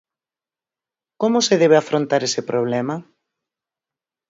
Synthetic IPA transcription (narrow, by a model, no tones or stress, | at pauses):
komʊseðɛβ̞eafɾont̪aɾesepɾoβ̞lɛmɐ